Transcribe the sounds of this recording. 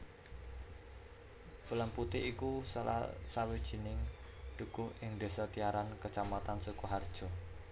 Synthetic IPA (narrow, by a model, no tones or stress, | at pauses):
pulamput̪ɪiku | sawid̥ʒ̥i̤nɪŋd̪̥ṳkʊhʔɪŋd̪̥e̤sɔt̪iaɾankət͡ʃamat̪ansukuɦard̥ʒ̥ɔ̤